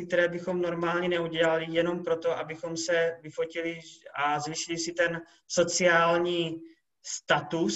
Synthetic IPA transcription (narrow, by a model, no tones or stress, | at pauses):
k̚t̪ɛɾɛːbɪxo̞mno̞ɾmaːlɲɛnɛuɟɛlalɪjɛno̞mpɾo̞t̪o̞ʔabɪxo̞msɛvɪfo̞cɪlɪazviːʃɪlisɪt̪ɛn | so̞t͡sɪaːlɲiː | st̪at̪us